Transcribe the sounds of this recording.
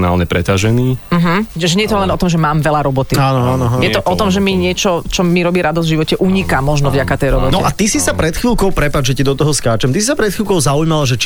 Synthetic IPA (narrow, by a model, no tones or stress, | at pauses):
na̰ːlɲɛpɾɛt̪aʒɛniːm̩ɦm̩ɛʒɛɲɛjɛt̪ɔlɛnɔt̪ɔmʒɛmaːmʋɛlaɾɔbɔt̪iaːnɔaːnɔajɛt̪ɔʔɔt̪ɔmʒɛmiɲɪɛt͡ʃɔt͡ʃɔmiɾɔbiːɾad̪ɔzvʒiʋɔcɛʔuɲikamɔʒnɔvɟakat̪ɛjɾɔbɔt̪nɔiʔat̪isisapɾɛt̪xʋiːlkɔʊpɾɛpad͡ʒʒɛcid̪ɔt̪ɔɦɔskaːt͡ʃɛmt̪isisapɾɛt̪xʋiːlˠkɔʊzaujmalaʒɛt͡ʃ